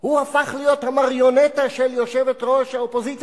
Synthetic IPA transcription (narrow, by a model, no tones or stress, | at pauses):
huafaχlijo̞t̪hamaʁjo̞net̪aʃeljo̞ʃevet̪ʁoʃhaopo̞zit͡s